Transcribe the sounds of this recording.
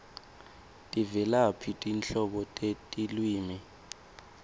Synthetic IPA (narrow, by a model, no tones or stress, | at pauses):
tʼivɛlapʰitʼint͡ɬɔɓɔtʼetʼilwiːmi